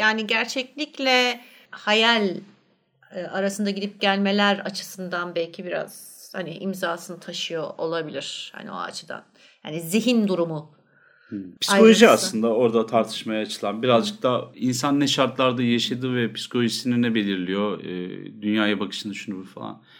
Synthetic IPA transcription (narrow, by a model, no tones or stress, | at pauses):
jaːniɟæɾt͡ʃʰɛclʲiclʲɛ | hajalʲ | aɾasɯnd̪aɟid̪ip̚ɟælʲme̞lʲæɾat͡ʃʰɯ̥sɯnd̪anbɛlʲcʰibiɾa̰z̥ | haniʔimzaːsɯnt̪ʰaʃɯjoʔolˠabilʲiɾ̥ha̰nḭo̰a̰t͡ʃʰɯd̪a̰n | ja̰ːniziɦind̪uɾumu | pʰi̥saolʲoʒiasˠɯnd̪ao̞ɾd̪at̪ʰaɾt̪ʰɯ̥ʃmajaːt͡ʃʰɯlˠanbiɾazd͡ʒɯk̚t̪ʰainsanːɛʃaɾt̪lˠaɾd̪ajaʃad̪ɯvɛpʰi̥skʰo̞lʲoʒisininɛbe̞lʲiɾlʲijoɯ̰ːd̪ynjaːjabakʰɯ̥ʃɯnɯʃunubuɾfa̰lˠa̰n